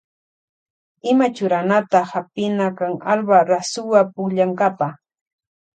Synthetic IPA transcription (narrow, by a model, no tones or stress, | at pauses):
ɪmat͡ʃʊɾanat̪ahapɪnakaŋalbaɾasʊwapʊʎaŋkapa